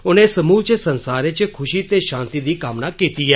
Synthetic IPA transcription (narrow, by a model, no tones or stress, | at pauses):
ʊnẽsəmuːlt͡ʃesənsaːɾet͡ʃekʰʊʃit̪eʃãːnt̪id̪ikaːmnakit̪iɦɛː